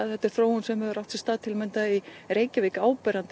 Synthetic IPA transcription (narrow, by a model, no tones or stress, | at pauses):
aðhɛt̪ːɪɾ̥θɾoːwunsɛmɛðʏɾawft̪sɛst̪aːðt̪ʰɪlmɛnt̪aiɾeːjcɪvejkaːwpɛɾant̪